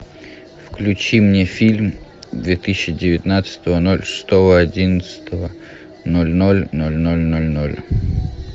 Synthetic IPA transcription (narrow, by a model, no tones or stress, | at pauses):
fklʲʉt͡ɕimnʲefʲilʲmd̪vʲet̪ɨsʲːɪdʲɪvʲɪt̪nat̪sə̥t̪əvənolʲʂɨ̥st̪ovəɐdʲinət̪sə̥t̪ʰəvə | nolʲnolʲnolʲnolʲnolʲnolʲ